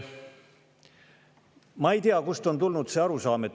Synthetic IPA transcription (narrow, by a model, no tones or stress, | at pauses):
mɑejt̪iɑkust̪o̞nt̪ulnud̪se̞ːɑɾusɑːmet̪ː